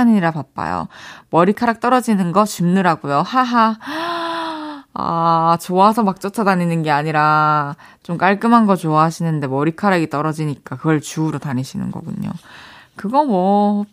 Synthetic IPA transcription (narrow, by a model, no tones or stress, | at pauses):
ɲiɾapap̚p͈a̰jo̰mʌɾikʰaɾak̚t͈ʌɾʌd͡ʑinɯnɡʌt͡ɕimnɯɾaɡojohaɦa | a̰t͡ɕoasʰʌmak̚t͡ɕ͈otʰʌdaɲinɯnɡe̞aɲiɾa | t͡ɕomk͈aɭk͈ɯmɦanɡʌt͡ɕoaɦaɕʰinɯnde̞mʌɾikʰaɾaɡit͈ʌɾʌd͡ʑiɲik͈akɯɡʌɭt͡ɕuːɾotaɲiɕʰinɯ̰nɡʌ̰ɡuɲo̰kɯɡʌmwʌ